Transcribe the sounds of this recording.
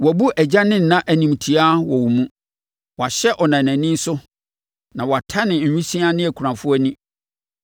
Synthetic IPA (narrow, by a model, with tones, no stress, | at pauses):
wɔ˨bu˦ʔæ˨d͡ʑa˦nɪ̃˦n̩˨nã˦ʔæ˨nĩ˨mtʰi˨a˦wɔ˨wu˨mũ˦ | wɔ˨a˨ɕɛ˦ʔɔ˨nã˨næ̃˨nĩ˦n̩˦sʊ˦ | nã˨wɔ˨a˨tʰa˦nɪ̃˨ɲ̩˨ɲᶣĩ˦sĩ˦a˦nɪ̃˦æ˨kʰu˨ɾã˨fʊ˦ɛ˦nĩ˦